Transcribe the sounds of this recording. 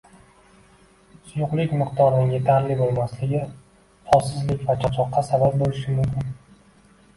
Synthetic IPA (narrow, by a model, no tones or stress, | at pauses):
sʊjʊqlˠɪkʲmɪqt̪ʰɒɾnɪŋje̞t̪ʰaɾlɪbolˠmaslɪɡʲɪ | χɒsɪzlɪkʲvat͡ʃʰɒt͡ʃʰɒqːɑsabap̚bolɪʃɪmʊmkʲɪn